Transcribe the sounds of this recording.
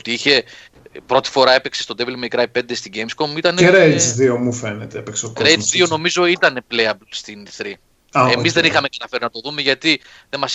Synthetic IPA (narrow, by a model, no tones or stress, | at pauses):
t̪iiçe̞ | pɾo̞t̪i̥fo̞ɾɐe̞peksest̪od̪evlmejkɾɐjpːe̞nd̪est̪iɟejmsko̞mit̪ɐneeɾesðiomufenet̪eepekseokɾesðio̞no̞mizo̞it̪ɐne̞pleɐbst̪inθɾi | aemizðe̞nixɐmekɐt̪ɐfe̞ɾinɐt̪o̞ðume̞ʝɐt̪i | ðemɐs